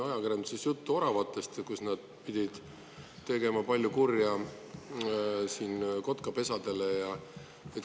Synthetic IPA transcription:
ɑjɑkiɾemd̪sesjut̪ːuo̞ɾɑvɑt̪ˑːe̞st̪kusnɑd̪̥̚pid̪̥ʲid̪̥ | t̪e̞ɡe̞mɑpɑlʲjukurjɑ | siːnko̞t̪kɑpe̞sɑd̪̥e̞le̞jɑ | et̪

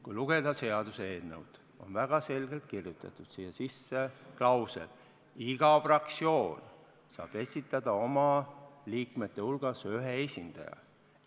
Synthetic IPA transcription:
kujluɡ̥ed̪̥ɑse̞ɑd̪̥useːnnḛwd̪̥ | o̞̰nvæɡ̥ɑse̞lɡ̥e̞lt̪̚kirjut̪ːˑɑ̰t̪ːˑud̪̥siːɑsisːeklɑwsḛl | iɡ̥ɑfrɑksio̞ːn | sɑ̰ːb̥e̞sʲit̪ːˑɑd̪̥ɑo̞mɑliːkme̞t̪ːe̞ulɡ̥ɑsyɦee̞sʲind̪̥ɑ̰jɑ̰

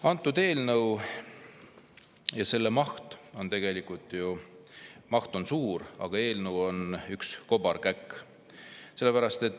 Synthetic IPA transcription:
ɑnt̪ːˑud̪̥e̞ːlnɤw | jɑse̞lːemɑht̪o̞nt̪e̞ɡ̥e̞likˑult̪ˑju | mɑht̪o̞nsuːɾɑ̰ɡ̥ɑe̞ːlnɤwo̞nyksko̞b̥ɑrkækːˑ | se̞lːe̞pæɾɑst̪e̞t̪ːˑ

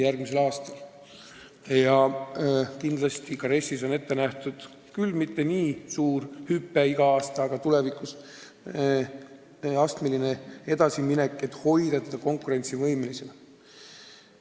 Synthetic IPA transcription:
jærɡ̥mise̞lɑːst̪ɑl | jɑ | kind̪lɑst̪ikɑɾe̞sːiso̞ne̞t̪ːe̞næht̪ud̪̥ | kylmit̪ːe̞niːsuːrhypːeiɡ̥ɑɑːst̪ɑːɡ̥ɑt̪ule̞vikˑus | ɑst̪melinee̞d̪ɑsimine̞kːˑe̞t̪ːˑho̞jd̪̥ɑsed̪ɑko̞ŋkuɾe̞nʲt̪sivɤjme̞lise̞l

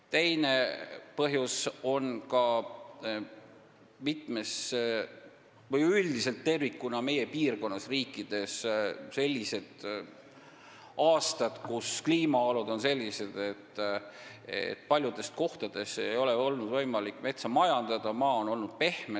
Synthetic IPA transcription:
t̪e̞jne̞pɤɦjuso̞nkɑ | mit̪ˑme̞s | vɤjylʲd̪ise̞lt̪ːe̞rvikːˑunɑme̞je̞piːrko̞nːɑsriːkːˑid̪̥e̞sse̞lʲːise̞d̪̥ | ɑːst̪ɑd̪̥kuskliːmɑolud̪̥o̞nse̞lʲːise̞d̪̥e̞t̪ːˑ | ḛt̪̚ːˑpɑlʲjud̪̥e̞st̪̚ko̞ht̪ɑd̪̥e̞se̞jo̞le̞o̞lnud̪vɤjmɑlikːˑme̞t̪sɑmɑjɑnd̪̥ɑd̪̥ɑmɑːono̞lnud̪̥̚pe̞hme

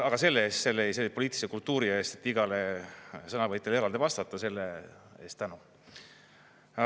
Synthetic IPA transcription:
ɑɡ̥ɑse̞lːeeːst̪se̞lːeejselːpo̞liːt̪ːˑi̥lisekult̪ːˑuːɾie̞ːst̪et̪ːiɡ̥ɑlesɤnɑvɤjt̪ːˑeleeɑld̪evɑst̪ɑt̪ːˑɑse̞lːee̞ːst̪ænu

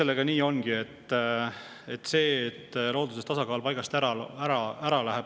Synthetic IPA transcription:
e̞lːeɡ̥ɑniːo̞nɡ̥ie̞t̪ː | et̪ːse̞ːt̪ːˑlo̞ːd̪usest̪ɑsɑkɑːlpɑjɡ̥ɑst̪æɾɑæɾɑæɾɑlæɦeb̥

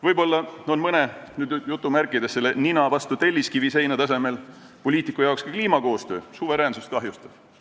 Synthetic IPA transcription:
vɤjbo̞lːɑo̞nmɤne̞nyːd̪jut̪ˑːumærkːˑid̪e̞se̞lːeninɑvɑst̪ut̪e̞lʲːiskivise̞jnɑt̪ɑs̬e̞me̞l | po̞lʲiːt̪ˑikːˑujɑokskɑkliːmɑko̞ːst̪ø̞ːsuve̞ɾeːnsust̪kɑɦjust̪ɑd̥

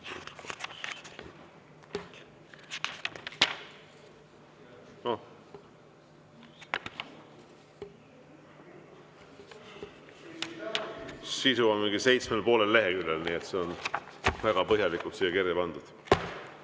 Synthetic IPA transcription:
no | sisuonmiŋɡise̞jt̪smelpo̞ːle̞lːeɦekylːelniːet̪se̞onvæɡ̥ɑpɤɦjɑlikult̪sijːɑkerjɑpɑnd̪̥ud̪̥

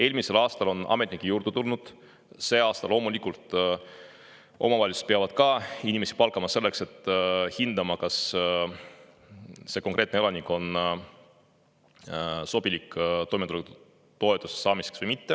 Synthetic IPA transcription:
e̞ːlʲmise̞lɑːst̪ɑlo̞nʔɑ̰me̞t̪nikːˑijuːrd̪̥et̪ulnud̪̥ | se̞ːɑːst̪ɑlo̞ːmulikːˑult̪ˑ | ʔo̞̰mɑvɑlist̪peɑvɑd̪̥kɑinʲime̞si̥pɑlkˑɑmɑse̞lːe̞kse̞t̪ːˑhind̪ɑmɑkɑs | se̞ko̞ŋkre̞ːt̪neelɑnikːˑo̞n | so̞b̥ilikːt̪o̞jmet̪ulek̪ | t̪o̞et̪ːˑuse̥sɑːmiseksv̥ɤjmit̪ːe

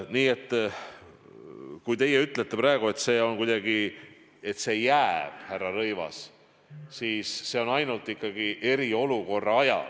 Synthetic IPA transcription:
niːe̞t̪ːˑ | kujt̪e̞jeyt̪ːˑlet̪ːepɾɑeɡ̥ue̞t̪se̞ːo̞nkujd̪ɑɡi | e̞t̪ːˑse̞ːjːæb̥hærːɑrɤjvɑ̰s | siːsːe̞ːo̞nɑjnult̪ːˑikːɑɡiʔe̞ɾio̞luko̞rːɑɑjɑ̰l

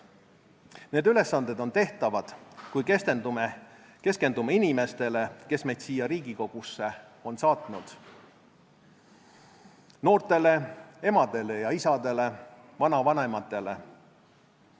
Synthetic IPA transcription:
ne̞ːd̪yle̞sːɑnd̪e̞d̪o̞nt̪e̞ht̪ɑvɑd̪̥kujkest̪end̪ue | ke̞ske̞nd̪umeinime̞st̪e̞le̞ke̞smet̪siːjɑɾiːɡ̥iko̞ɡ̥usːe̞o̞nsɑːt̪ˑnud̪̥ | no̞ːrt̪e̞le̞e̞mɑd̪̥e̞le̞jɑisɑd̪e̞le̞ | vɑnɑvɑnemɑt̪ːˑe̞le̞

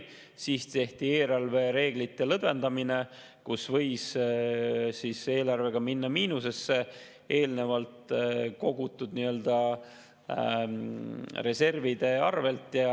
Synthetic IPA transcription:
sist̪e̞ht̪ie̞ːɾɑlve̞ɾe̞ːɡ̥lit̪ːˑelɤb̪e̞nd̪̥ɑmine̞ | kusvɤjs | sise̞ːlɑrve̞ɡ̥ɑminːɑmiːnuse̞sːe̞ | ʔeːlne̞vɑlt̪ko̞ɡut̪ːˑud̪̥niø̞ld̪ɑ | re̞se̞rvid̪̥e̞ɑrve̞lt̪jɑ

